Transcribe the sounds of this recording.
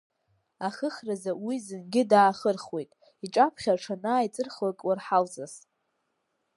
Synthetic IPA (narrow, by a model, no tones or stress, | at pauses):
aχəχrazawizɨnɡʲɪdaːχərχwe̞jtʼ | iʈ͡ʂʼapʰχʲaʈ͡ʂʰanaːit͡sʼɨrχlakʼwarħalzas